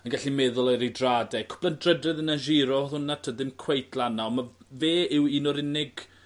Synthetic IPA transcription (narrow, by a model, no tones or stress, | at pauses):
ənɡaɬimɛðʊlˠajɾidraːdɛkʰɔ̥b̥ləndrədrɛðənaʒiɾɔʊnatʰədɪmkʰw̥ejθʰlˠanaɔmaveːɪwinɔɾɪnɪɡ̥